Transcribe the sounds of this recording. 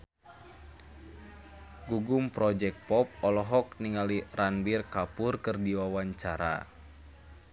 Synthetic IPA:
ɡuɡumpɾɔd͡ʒɛk̚pɔp̚ɔlɔɦɔk̚niŋaliranbirkapʊrkɨrdiwawaɲt͡ʃaɾa̰

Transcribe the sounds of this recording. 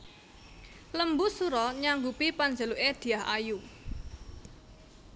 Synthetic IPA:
ləmbusuɾɔɲaŋɡupipand͡ʒəluʔed̪̥i̤aɦa̰ju

